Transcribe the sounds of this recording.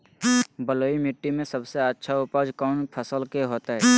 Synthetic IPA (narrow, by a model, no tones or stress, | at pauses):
bəloːimɪʈːimẽsəbseətːʃʰaʊpaːd͡ʒkaːnpʰəsəlkeɦoːt̪aɦɛː